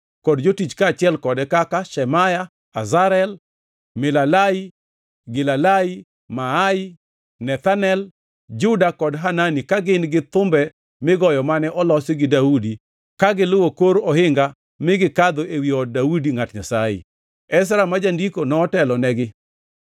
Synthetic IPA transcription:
kɔdd͡ʒotit͡ʃkaːt͡ʃɪɛlkɔdɛkakaʃɛmaja | azaɾɛl | mɪlalai | ɡɪlalai | maai | nɛt̪anɛl | d͡ʒʊdakɔdɦananikaɡɪnɡɪt̪ʊmbɛ | mɪɡɔjɔmanɛʔɔlɔsiɡɪdaudi | kaɡɪlʊwokoɾɔhɪŋɡa | mɪɡɪkad̪oewiɔd̚daudiŋatɲasajḛ | ɛs̬ɾamad͡ʒandikonɔtɛlɔnɛɡɪ

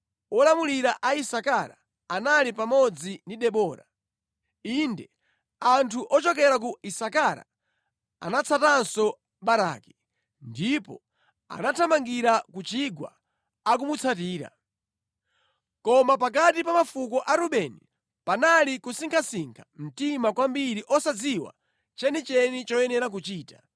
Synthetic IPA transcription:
ɔlamuliɾaʔaisakaɾa | analipamɔd͡zindiɗɛɓɔːɾa̰ | indɛ | antʰuʔɔt͡ʃɔk̬ɛɾak̬uisakaɾa̰ | a̰nat͡sʰatansɔ | ɓaɾa̰ki̥ | ndipɔ | a̰natʰamaŋɡiɾakut͡ʃiɡwa̰ː | k̬umut͡sʰatiːɾa̰ | kɔmap̬akatipamafukɔʔaɾuɓɛni | panalikusiŋkʰasiŋkʰam̩timakwambiɾiʔɔsad͡ziwa̰ | t͡ʃɛnit͡ʃɛnit͡ʃɔɛnɛɾak̬ut͡ʃiːta

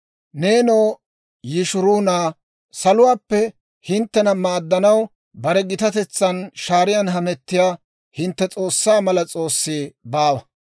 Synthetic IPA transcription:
ne̞ːnoː | jɪʃʊɾuːnaː | sɐlʊwaːpːɛ | hɪnt̪ːɛnɐmaːd̪ːɐnɐw | bɐɾɛɡɪt̪ɐt̪ɛt͡sːɐnʃaːɾɪjɐnɦɐmɛt̪ːɪjaː | hɪnt̪ːɛt͡sʼo̞ːsːaːmɐlɐt͡sʼo̞ːsːiːbaːwɐ

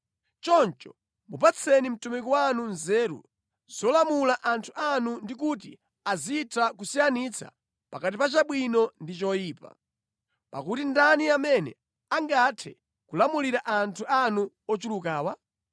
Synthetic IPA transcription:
t͡ʃɔnt͡ʃɔ̥ | mupat͡sʰɛnim̩tumikɔwanunzɛːɾṵ | z̥ɔlamulaʔantʰuʔanundikut̬i | azitʰak̬usijanit͡sʰa̰ | pakat̬ipat͡ʃaɓwinɔndit͡ʃɔjiːpa̰ | pa̰kutindaniamɛnɛ̰ | aŋɡatʰɛ | kulamuliɾaʔantʰuanu | ɔt͡ʃulukaːwa

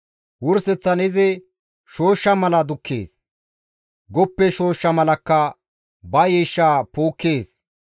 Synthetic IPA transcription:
wʊɾsɛt͡sːɐnɪzɛ | ʃo̞ːʃːɐmɐlɐd̪ʊkːḛːs | ɡɔpːɛʃo̞ːʃːɐmɐlɐkːɐ | bɐjɛʃːaːpoːkːeːs

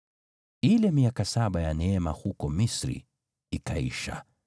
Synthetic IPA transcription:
ilɛmiakasaɓajanɛɛmahukɔmisɾḭ | ikaḭʃa̰

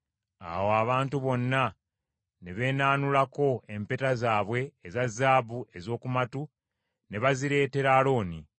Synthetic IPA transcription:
a̰woaβaːntuβo̞nːa | ne̞βe̞ːnaːnulako̞e̞mpetazaːβwe̞ːzazːaːβue̞zo̞ːkumatu | ne̞βaziɾe̞ːte̞ɾaːlo̞ːni

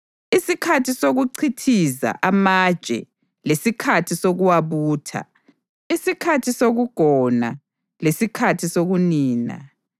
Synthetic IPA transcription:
isikʰatʰisoɣuǀʰitʰiza̰ʔamad̥ʒt͡ʃʼɛ̰ | lesikʰatʰisoɣuwaβuːtʰa̰ | isikʰatʰisoɣuɡ̥ʱɔna̰ | lesikʰatʰisoɣuniːna̰

